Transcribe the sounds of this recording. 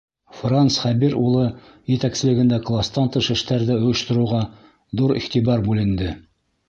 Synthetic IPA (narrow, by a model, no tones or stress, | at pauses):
fransχæbiɾulˠɤ | jɘ̆t̪æksɘ̆lɘ̆ɡɘ̆nd̪æklˠast̪ɑnt̪ɤʃɘ̆ʃt̪æɾðɘŏjɤ̆ʃt̪ɤ̆ɾɤ̆wʁɑ | ðuɾḭχt̪ibɑɾbʉlɘ̆nd̪ɘ